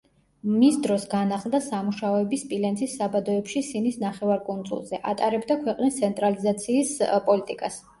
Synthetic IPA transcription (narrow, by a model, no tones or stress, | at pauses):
misd̪ɾɔsɡanaχlˠd̪asamuʃaɔɛbispʼilɛnsʰʼisːabad̪ɔɛpʃisinisnaχɛvaɾkʼund̪zʼṵlˠzɛʔat̪ʼaɾɛbd̪akʰwɛqʼnist̪sʰɛnt̪ʼɾalizat̪sʰiːspʼɔlit̪ʼikʼas